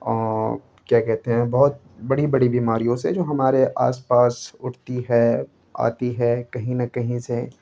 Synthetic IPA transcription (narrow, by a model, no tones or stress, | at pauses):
kjaːkɛɦt̪eɦɛ̃bɔɦʊt̪̚ | bɐɽibɐɽibiːmaːɾijõsḛd͡ʒoːɦɐmaːɾeʔa̰ːspaːsʊʈʰt̪iɦɛː | a̰ːt̪iɦɛːkɐɦĩnɐkɐɦĩse